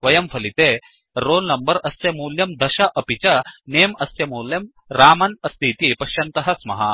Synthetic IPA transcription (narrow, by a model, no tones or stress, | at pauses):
ʋɐjɐmfʰɐlit̪eː | ɾoːlnɐmbɐɾɐsjɐmuːljɐmd̪ɐʃɐʔɐpit͡ʃɐneːmɐsjɐmuːljɐm | ɾaːmɐnɐst̪ʰiːt̪ipɐʃjɐnt̪ɐɦɐsmɐ̰ɦɐ̰